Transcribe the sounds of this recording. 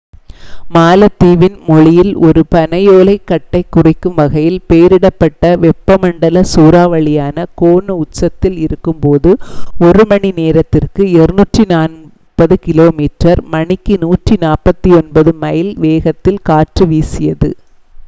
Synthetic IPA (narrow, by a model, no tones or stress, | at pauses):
maːlɐt̪ːiːʋɪnmɔɭɪjɪlʔɔɾɯpɐnɐjoːlɐɪkːɐʈːɐɪkːʊrɪkːɯmʋɐɣɐjɪlpeːɾɪɽɐpːɐʈːɐʋɛpːɐmɐɳɖɐlɐsuːɾaːʋɐɭɪjaːnɐkoːnɯʊt͡ʃːɐt̪ːɪlɪɾɯkːɯmpoːðɯɔɾɯmɐɳineːɾɐt̪ːɪrkɯɛɾɯnuːʈrinaːn | b̥ɐðɯkɪloːmiːʈrɐɾmɐɳɪkːinuːʈrinaːpɐt̪ːiɔnbɐðɯmɐjɪlʋeːɣɐt̪ːɪlkaːʈrɯʋiːsɪjɐðɯ̰